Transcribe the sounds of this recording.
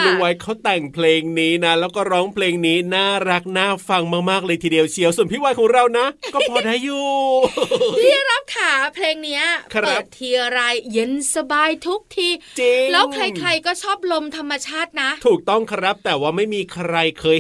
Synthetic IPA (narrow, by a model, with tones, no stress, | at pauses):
duː˧˩wa˧˩jkʰa˦˥wt̪ɛ˨˩ŋpʰleː˧ŋniː˦˥na˦˥lɛː˦˥wkɔː˥˩ɾɔː˦˥ŋpʰleː˧ŋniː˦˥naː˥˩ɾa˦˥k̚naː˥˩fa˧ŋmaː˥˩k̚maː˥˩k̚lɤː˧jt̪ʰiː˧di˧əwt͡ɕʰi˧˩əwsu˨˩npʰiː˦˥˩wa˦˥jkʰɔː˩˦ŋɾa˧wna˦˥kɔː˥˩pʰɔː˨˩da˦˥˩jːuː˨˩˥ | i˥˩a˧˩ɾa˦˥p̚kʰaː˨˩˦pʰleː˧ŋni˦˥ɐkʰɤaː˦˥˩pt̪̚ʰːiː˧ʔa˧ɾa˧jːe˧˩nsa˧baː˧jt̪ʰu˦˥k̚t̪ʰiː˧t͡ɕi˧lɛː˦˥wŋkʰɾa˧jkʰɾa˧jkɔː˥˩t͡ɕʰɔː˥˩p̚lo˧mt̪ʰa˧mːa˧t͡ɕʰaː˥˩t̪̚na˦˥ʔt̪ʰuː˨˩k̚t̪ɔ˥˩ŋkʰɾa˦˥p̚t̪ɛː˨˩waː˥˩ma˥˩jmiː˧kʰɾa˧jkʰɤː˧j